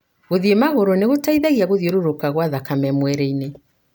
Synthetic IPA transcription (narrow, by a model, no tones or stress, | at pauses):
ɣoðiemaɣoɾoneɣotaiðaɣiaɣoðieɾoɾokaɣwaðakamɛmwɛɾeine